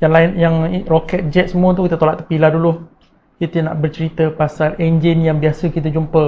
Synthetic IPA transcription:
jaŋlaɪnjaŋrokɛt̪̚d͡ʒɛt̪̚səmuət̪̬ukit̪ət̪olaʔt̪əpilahdulu | kit̪əna̰ʔbərt͡ʃəɾit̪əpasalɛɲd͡ʒɪnjaŋbiasəkit̪̬əd͡ʒumpə

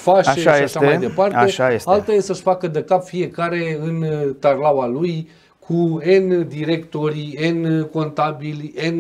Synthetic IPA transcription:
faʃaeʃjeaʃamajd̪epare̞ʃajesalt̪ajesəʃfakəd̪əkapfie̞kaɾe̞ɨnt̪arlawaluj | kʰuend̪iɾe̞kt̪o̞ɾienko̞nt̪abilʲen

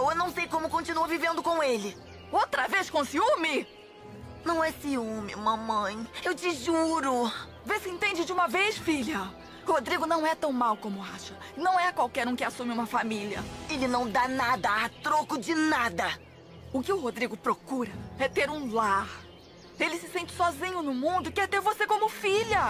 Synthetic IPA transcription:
wewnɐ̃w̃sejkõmʊkõnt͡ʃinuɐvivẽnd̪ʊkõw̃elɪ | owt̪ɾɐveskõsiumɪ | nɐ̃w̃ɛsiũmɪũmɐmɐ̃j̃ewt͡ʃɪʒuɾʊ | vesɪẽnt̪ẽnd͡ʒɪd͡ʒɪũmɐvejsfiljɐ | hod̪ɾiɡʊnɐ̃w̃ɛt̪ɐ̃w̃mawkõmʊaʃɐ | nɐ̃w̃ɛkwawkɛɾũkɪasũmɪũmɐfamiliɐ̰elɪnɐ̃w̃d̪anad̪ɐat̪ɾokʊd͡ʒɪnad̪ɐ | ʊkɪʊɦod̪ɾiɡʊpɾokuɾɐɛt̪eɾũlaɾ | elɪsɪsẽnt͡ʃɪ̥sɔzĩɲʊnʊmũnd̪ʊkɪɛɾt̪eɾvosekõmʊfiʎɐ

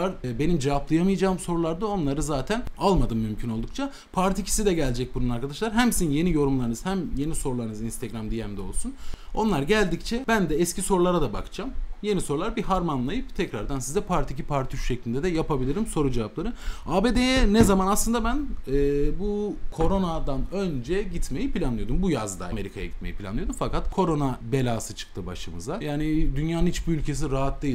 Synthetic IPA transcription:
aɾbe̞nimd͡ʒavaplˠajamɯjad͡ʒaːmso̞ɾulˠaɾd̪ao̞nlˠaɾɯzaːt̪ʰænalˠmad̪ɯmːymcʰyno̞lˠd̪uk̚t͡ʃʰa | pʰaɾt̪ʰicʰi̥sid̪ɛɟælʲd͡ʒɛc̚bununaɾkʰad̪aʃlˠaɾɦæmsininje̞nijo̞ɾumlˠaɾɯnɯz̥hæmje̞niso̞ɾulˠaɾɯnɯzinst̪ɛɡɾamd̪ijɛmd̪ɛolˠsuno̞̰nlˠaɾɟælʲd̪ict͡ʃʰɛbænd̪ɛːscʰiso̞ɾulˠaɾad̪aba̰kɯd͡ʒamje̞niso̞ɾulˠaɾbiɦaɾmanlˠajɯpt̪ʰɛcɾaɾd̪ansizɛpʰaɾt̪ʰicipʰaɾt̪ʰyʃʃɛclʲind̪ɛd̪ɛjapabilʲiɾimso̞ɾud͡ʒevaplˠaɾɯaːbeːd̪ejɛnɛzamanaslˠɯnd̪abænɛːbukʰo̞ɾo̞nad̪anø̞nd͡ʒɛɟit̪me̞jipilʲanlˠɯjo̞d̪umbujazd̪a̰me̞ɾikʰaja̰ɟit̪me̞jipʰilʲa̰nˠɯod̪umfakat̪kʰo̞ɾo̞nabe̞lʲaːsɯt͡ʃʰɯ̥k̚t̪ʰɯba̰ʃɯmɯ̰zd̪ajaːnid̪ynjaːnɯnit͡ʃbiylʲcʰe̞s̬iɾaɦat̪̚d̪eji

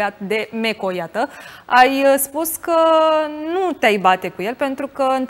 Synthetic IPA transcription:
at̪̚d̪e̞me̞kojat̪əajspuskənut̪eajbat̪e̞kuje̞lpe̞nt̪ɾukəɨnt̪

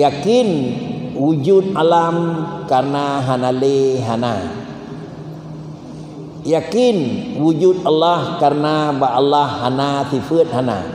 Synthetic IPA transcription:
jakinwud͡ʒut̪̚alamkarnaɦanaleɦana | jakinwud͡ʒut̪̚alːahkarnabaʔalahːanasifət̪̚hana̰

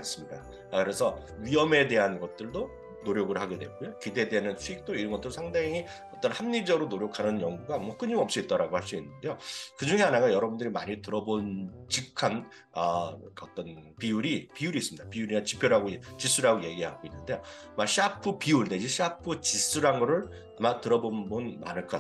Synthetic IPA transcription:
ns͈ɯmɲida | kɯɾe̞sʰʌ | ɥiʌme̞de̞ɦanɡʌt̚t͈ɯɭdo | noɾjoɡɯɭhaɡe̞dweɡ͈ojokide̞ːdeɦanɯnt͡ɕʰuik̚t͈oiɾʌnɡʌt͈ɯɾosʰaŋdaŋi | ʌt͈ʌnhamɲid͡ʑʌɾonoɾjokʰanɯnjʌŋɡuɡamʌk͈ɯɲimʌp̚s͈uit͈̚aɾaɡohaɭs͈uinːɯnde̞jokɯd͡ʑuŋe̞anaɡajʌɾʌbundɯɾima̰ɲitɯɾʌbont͡ɕikʰːan | ʌkaʌt͈ʌnpiuɾipiuɾiːs͈ɯmɲid̥apiuɾinat͡ɕipʰjoɾaɡot͡ɕis͈uɾaɡoje̞ɡiɦaɡoinːɯnde̞jo | maɕʰiapʰɯpiuɭned͡ʑiɕʰiapʰɯt͡ɕis͈uɾanɡʌɾɯɭ | amatɯɾʌbonbonma̰nɯɭkʰɯa

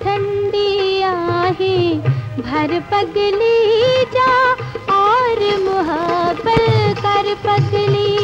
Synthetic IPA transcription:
t̪ʰɐ̃ɳɖiaːɦẽ | bʱɐɾpɐɡlid͡ʒãɔːɾmʊɦɐbəlkɐɾpɐɡli

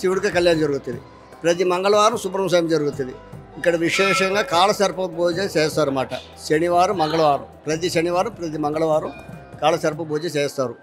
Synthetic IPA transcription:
siʋuɽukɐkɐljaːnd͡ʒɐɾuɡut̪und̪i | pɾɐt̪̬imɐŋɡɐɭɐʋaːɾɐmsupɾɐms̬ɐjɐmd͡ʒɐɾuɡut̪und̪iikːɐɽɐʋiʂɛːʂɐŋɡaːkaːlɐsɐɾpɐboːd͡ʒɐt͡ʃeːst̪aːɾumaːʈɐ̰ | ʃeniʋaːɾumɐŋɡɐɭɐʋaːɾɐ̰mpɾɐt̪̬iʃeniʋaːɾumpɾɐt̪̬imɐŋɡɐɭɐʋaːɾɐmkaːɭɐsɐɾpɐboːd͡ʒɐt͡ʃeːst̪aːɾu

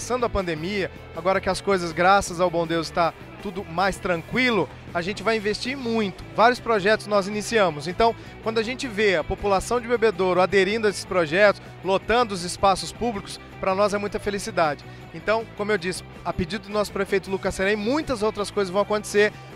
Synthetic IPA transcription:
sɐ̃nd̪ʊɐpɐ̃nd̪emiɐ | aɡɔɾɐkɪɐskojzɐzɡɾasɐzawbõd̪ewzɪ̥st̪a | t̪ud̪ʊmajst̪ɾɐ̃ŋkwilʊ | aʒẽnt͡ʃɪvajĩvest͡ʃiɾmũj̃t̪ʊ̥vaɾjʊspɾoʒɛt̪ʊznɔzinisiɐ̃mʊsẽnt̪ɐ̃w̃ | kwɐ̃nd̪ʊaʒẽnt͡ʃɪveɐpopulasɐ̃w̃d͡ʒɪbebed̪oɾʊad̪eɾĩnd̪ʊɐesɪ̥spɾoʒɛt̪ʊs | lot̪ɐ̃nd̪ʊʊzɪspasʊspublikʊ̥s | pɾɐnɔzɛmũj̃t̪ɐfelisid̪ad͡ʒɪ | ẽnt̪ɐ̃w̃kõmʊewd͡ʒisɪ̥ | ɐped͡ʒid̪ʊd̪ʊnɔsʊ̥pɾefejt̪ʊlukɐseɾɐ̃mũj̃t̪ɐzowt̪ɾɐskojzɐzvɐ̃w̃akõt̪e̥seɾ

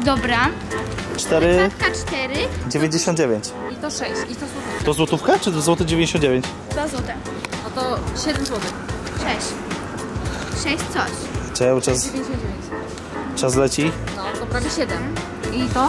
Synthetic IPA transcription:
d̪ɔbɾa | t͡ʂt̪ɛɾɘat̪kat͡ʂt̪ɛɾɘd͡ʑevʲeɲd͡ʑeɕɔnd̪̚d͡ʑevʲjeɲt͡ɕit̪ɔʂɛɕt͡ɕit̪ɔzwɔt̪ufkt̪ɔzwɔt̪ufkat͡ʂɨd̪ɔzwɔt̪ɛd͡ʑevʲeɲd͡ʑeɕɔ̃nd̪d͡ʑevʲeɲt͡ɕ | d̪vazwɔt̪ɛ | ɔt̪ɔɕɛd̪ɛmzwɔt̪ɛkʂɛɕt͡ɕ | ʂɛɕʲt̪sɔɕ | t͡ʂɛwt͡ʂasʲeɲd͡ʑʲeɕɔ̃nd̪d͡ʑevʲjẽɲt͡ɕ | t͡ʂazlɛt͡ɕinɔd̪ɔpɾɔɡɔɕɛd̪ɛm | it̪ɔ

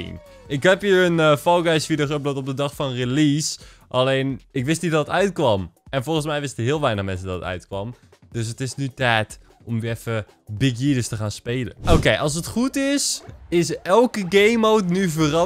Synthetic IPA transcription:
ḭn | ɪkɦɛpɦiːɹənfɑlˠɡɛjsfidəχəp̚dɔtɔp̚dədɑχfɑnrelis | ʔalejnɪkʋɪstnidɔtətœɥtkʋɑmɛnfɔlˠχənsmɛjʋɪstəɦɪːəlˠʋɛjnəχmɛns̬ədɔtətœ̰ɥtkʋɑm | døs̬ətɪsnytɛːt | ʔɔmɛfə | bɪɡjidəstəχaːnspejlə̰ʔowkejʔɑlˠs̬ətχutɪsɪsɛlˠkəɡejmowtnyvərɑ

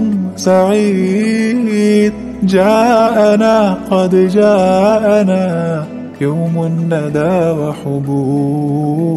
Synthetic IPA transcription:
nsaʕiː | d̪ | d͡ʒaːʔanaːqɑd̪d͡ʒaːʔanaː | jawmʊnːad̪aːwaħʊbuː

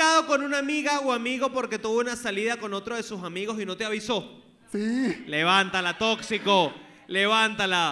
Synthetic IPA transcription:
aðo̞ko̞nunamiɣawamiɣo̞po̞ɾke̞t̪uβounasaliðako̞no̞t̪ɾo̞ðe̞susamiɣo̞sino̞t̪eaβiso̞ | sile̞βant̪alat̪o̞ksiko̞ | le̞βant̪ala

